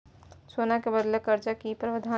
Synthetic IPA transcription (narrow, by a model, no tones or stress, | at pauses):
soːnakebəd̪lekəɾt͡ʃakipɾəʋəd̪ʱa